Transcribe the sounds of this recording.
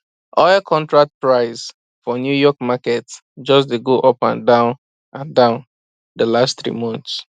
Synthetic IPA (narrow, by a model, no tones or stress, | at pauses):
ɔɛkʰɔ̃ntɹak̚t̚pɹaɪz | fɔnjujɔk̚makɛt | d͡ʒɔs̬leɡoʔɔpã̰ndãʊ̃n | ãndãʊ̃n | dəlasttθɹḭmɔ̃nts